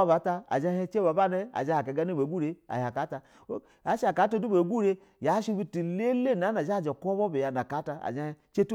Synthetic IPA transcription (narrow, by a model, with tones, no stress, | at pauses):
ba˨˦ta˧a̰˨d͡ʒa˦e˦t͡ʃe˦ba˨˦ba˦ne˦a̰˨d͡ʒa˦ha˨ka˨˦ɡa˦ne˦be˨ɡu˦ɾe˦a̰˨ha˨ka˨˦ta˧˦ | a˨˦ʃa˨ka˨˦to˦du˦be˨˦ɡu˦ɾe˦ | ja˨˦ʃi˦bi˦ti˨le˦le˦˨na˨˦na˨ʒa˦˨d͡ʒe˨kʷo˦bo˦be˨ja˨na˨ka˨˦ta˧a̰˨d͡ʒa˦ht͡ʃe˦tu˦